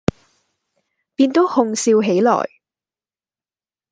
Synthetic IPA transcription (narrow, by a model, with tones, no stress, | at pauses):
piː˧nt̪o˨˥whʊ˧ŋsiː˧wɦe˨˥jlɔ̰ː˨˩j